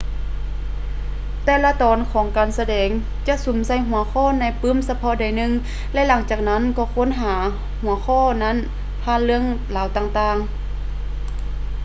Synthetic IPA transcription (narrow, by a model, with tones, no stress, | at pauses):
t̪ɛː˧la˧˨t̪ɔː˨˦nkʰɔː˨˦ŋkaː˨nsa˧dɛː˨˦ŋ | t͡ɕa˧˨ʔsu˨˦msa˧˩˨jɦu˨˩˦ɐxʰɔː˧˥˨na˧˥˨jpɯː˧˥˨msa˧pʰɔ˧˨da˨˩jnɯ˧ŋ | lɛ˧˥˨la˨˦ŋt͡ɕaː˨˩k̚na˧˥˨nkɔː˧˩kʰo˧˥˨nɦaː˨˩˦ | hu˨˩˦ɐxʰɔː˧˥˨na˧˥˨n | pʰaː˧˨nlɯ˧əŋlaː˨˦wt̪aː˧˩ŋt̪aː˧˨ŋ